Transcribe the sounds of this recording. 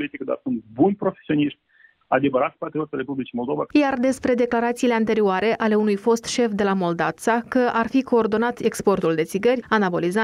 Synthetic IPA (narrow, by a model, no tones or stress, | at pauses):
lit̪ikəd̪a̰rsunt̪̚bunʲpɾo̞fesio̞niʃmʲ | ad̪e̞vəɾat̪spat̪ɾio̞t̪alɾe̞publit͡ʃimo̞lˠd̪o̞va̰jard̪e̞spɾe̞d̪e̞klaɾat̪siːle̞ant̪e̞ɾioaɾe̞ʔale̞unujfo̞st̪ʃe̞fd̪e̞lamo̞ld̪avt̪sakəʔarfiko̞ːrd̪o̞nat̪e̞kspo̞rt̪uld̪esiɡərʲanabo̞liza